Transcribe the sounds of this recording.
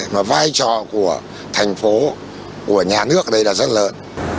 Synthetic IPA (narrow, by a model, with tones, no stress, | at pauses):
maː˨˩vaː˧jt͡ɕɔ̰˧˨ku˧˩ə | t̪ʰɛ˨˩jŋ̟fo˨˦ | ku˧˩əɲaː˨˩nɨ˦˥ək̚ɗə˧jlaː˨˩zə˦˥t̚ləː˨˦n